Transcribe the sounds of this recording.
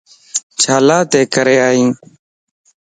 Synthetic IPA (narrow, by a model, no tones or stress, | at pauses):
t͡ʃʰaːlaːt̪eːkəɾeːaːɦĩː